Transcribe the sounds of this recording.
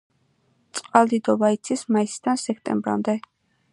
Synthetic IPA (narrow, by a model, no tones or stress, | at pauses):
t̪sʼqʼalˠd̪id̪ɔbait̪sʰismaisd̪ansɛkʰt̪ʼɛ̰mbɾa̰md̪ɛ